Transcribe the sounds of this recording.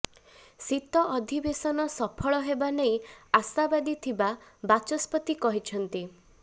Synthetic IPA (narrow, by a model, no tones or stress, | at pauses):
sit̪ɔʔɔd̪ʱibesɔnɔsɔpʰɔɭɔɦebanej̃asabad̪it̪ʰibabat͡ʃɔspɔt̪ikɔɦit͡ʃʰɔnt̪i